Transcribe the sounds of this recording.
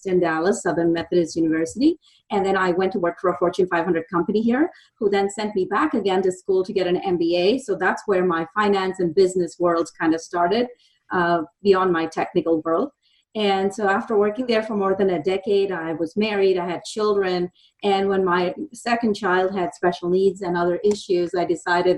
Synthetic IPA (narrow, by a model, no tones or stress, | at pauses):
sɨ̃ndælˠəsʌðə˞nmɛθɨɾɨsjʉnɨvɜ˞sɨɾi | ɨ̃nðɨ̃ñaɪwɛ̃ntʰəwɜ˞kfə˞əfɔɹt͡ʃɨ̃nfaɪvhʌ̃ndɹəd̚kʰʌ̃mpɨniɦiɹ | huðɨ̃nsɛ̃nmibækɨɡɛ̃ntɨskulˠtʰɨɡɛɾɨ̃nɛ̃mbieɪsoʊðætswə˞maɪfãɪ̃næ̃nsɨ̃nbɪznɨswɜ˞lˠdz̥kʰãɪ̃ndɨstɑɹɾɪd̚ | biɑ̃nmaɪtʰɛk̚nɨkl̩ˠwɜ˞lˠd̚ | ɨ̃nsoʊæftə˞wɜ˞kɪ̃ŋðə˞fə˞mɔɹðɨ̃nɨdɛkeɪɾaɪwʌzmɛɹiɾaɪɨd̚t͡ʃʰɪlˠdɹɨ̃n | ɨ̃nwə̃nmaɪsɛkɨ̃nt͡ʃʰaɪlˠd̚ɨd̥spɛʃl̩ˠnidzɨ̃nʌðə˞ʔɪʃʉzaɪdɨsaɪɾɨd̚